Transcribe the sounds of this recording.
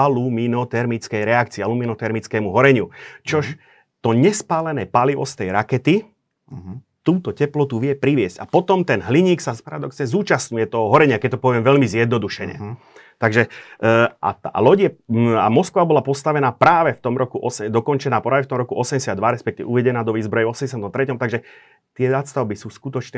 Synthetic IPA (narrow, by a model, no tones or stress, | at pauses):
aluminɔt̪ɛɾmit͡skɛjɾɛak̚t͡siːaluminɔt̪ɛɾmit͡skɛːmuɦɔɾɛɲut͡ʃɔʃ | t̪ɔɲɛspaːlɛnɛpaliʋɔ̰st̪ɛjɾakɛt̪i | t̪uːt̪ɔcɛplɔt̪uʋɪɛpɾiʋɪɛscapɔt̪ɔmt̪ɛnɦliɲiːksapaɾad̪ɔksɲɛzuːt͡ʃasɲujɛt̪ɔɦɔɦɔɾɛɲɪakɛc̚t̪ɔpɔʋɪɛmʋɛʎmizjɛd̪̚nɔd̪uʃɛɲɛ̰ | t̪aɡʒɛ | ʔa̰alɔɟɛa̰mɔskʋabɔlapɔst̪aʋɛnaːpɾaːʋɛft̪ɔmɾɔkuʔɔsɛd̪ɔkɔnt͡ʃɛnaːpɾaːʋɛft̪ɔmɾɔkuʔɔsɛmɟɛsɪad̪ːʋaɾɛspɛkt̪iʋɛ̰uʋɛɟɛnaːd̪ɔʋiːzbɾɔjɛvɔsɛmɟɛsjamnt̪ɔmt̪ɾɛcɔmt̪aɡʒɛ | t̪ɪɛzat̪st̪aʊbisuːskut̪ɔt͡ʃnɛ